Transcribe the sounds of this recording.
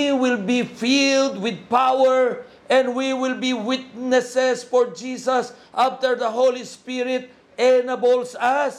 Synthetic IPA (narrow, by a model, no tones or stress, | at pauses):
wɪlbifild̪wɪd̪̚pawɛɹ | ʔɛ̃nd̪wiwɪlbiwɪt̪̚nɛsɛsfɔɹd͡ʒisɐs | ʔaft̪əɹd̪ɐɦolispiɾɪt̪̚ | ɛnabɔlsas